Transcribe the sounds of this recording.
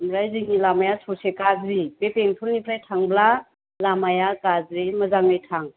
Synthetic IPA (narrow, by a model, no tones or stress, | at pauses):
mɾajziŋilamajasosekazɾipepeŋtʰulnipʰɾajtʰaŋbla | lamajakazɾimɐzaŋɯjtʰaŋ